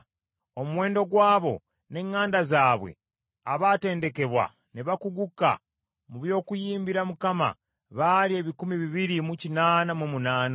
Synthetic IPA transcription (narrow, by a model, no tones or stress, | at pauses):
o̞muwe̞ːndo̞ɡwaːβo̞̰ | ne̞ŋːaːndazaːβwe̞̰ | aβaːte̞ːnde̞ke̞βwa̰ | neβakuɡukːa̰ | muβjo̞ːkujiːmbiɾamukama̰ | βalie̞βikumiβiβiɾimucinaːnamumunaːna